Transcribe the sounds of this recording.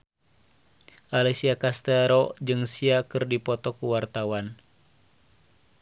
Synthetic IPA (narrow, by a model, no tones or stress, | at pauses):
ʔalɛsiakast̪ɛɾɔd͡ʒɨŋsiakɨrdipɔt̪ɔkuwart̪awan